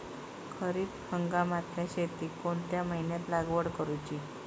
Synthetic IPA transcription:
kʰəɾiːt̪həŋɡamat̪ljaɕet̪iːkoɳt̪jaməɦinjat̪laɡʋəɽkəɾut͡ɕi

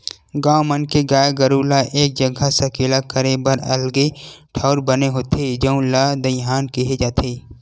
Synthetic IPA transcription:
ɡaːmənkeɡaːjɡɐɾuːlaʔeːk̚d͡ʒɐɡʱasɐkɪlakəɾebɐɾɐ̰lɡeʈʰaʊɾbɐneɦoːt̪ʰed͡ʒɐũlad̪ɐɦaːnkiɦed͡ʒaːt̪ʰeː

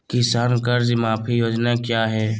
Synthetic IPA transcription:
kɪsaːnkəɾd͡ʒmaːpʰijoːd͡ʒnakjaːɦɛː

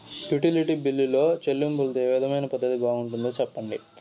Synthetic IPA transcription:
juʈiliʈiːbilːilo̞ːt͡ʃelːumbult̪eːʋid̪ʱɐmɐjnɐpɐd̪ɐt̪ibaːɡuɳʈund̪oːt͡ʃɛpːɐɳɖi

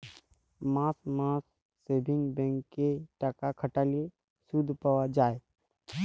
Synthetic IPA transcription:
mãːsmãːsː | eːbʱɪ̃ŋɡbɛ̃ŋkkeʈakakʰəʈaːlie | sud̪ʱpəwad͡ʒaːe

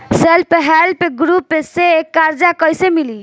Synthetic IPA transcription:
selpəɦɛlpeɡɾupːeseːkːaɾd͡ʒakəjsemili

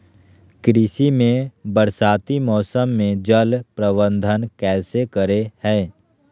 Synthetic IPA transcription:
kɾɪʃimẽbəɾsaːt̪imɔːsəmːẽd͡ʒəlpɾəbə̃nd̪ʱənkɛːsekəɾehɛ̃ː

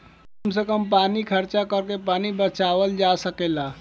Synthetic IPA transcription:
kəmsəkəmpanikʰəɾt͡ʃakəɾkepanibət͡ʃaʋəld͡ʒasəkela

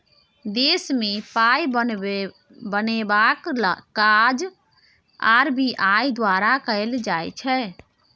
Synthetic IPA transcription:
d̪esmepajən | bənebaklkad͡ʒ | aɾbiʔajd̪waɾakəɪld͡ʒajt͡ʃʰɛ

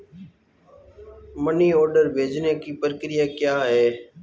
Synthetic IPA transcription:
məniːɔːɾɖəɾbʱeːd͡ʒneːkiːpəɾəkɾɪjaːkjaːɦɛː

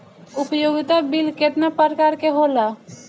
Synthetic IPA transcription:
ʊpjoːɡɪt̪abilket̪napəɾkaːɾkeɦoːla

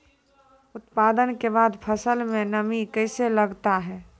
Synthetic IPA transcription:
ʊt̪paːd̪ənkebaːd̪pʰəsəlmẽnəmikəɪseləɡt̪aɦɛː

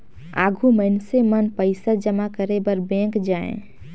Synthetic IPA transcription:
a̰ːɡʱuməɪnsemənpəɪsad͡ʒəmakəɾebəɾbɛ̃ːkd͡ʒaːḛ̃

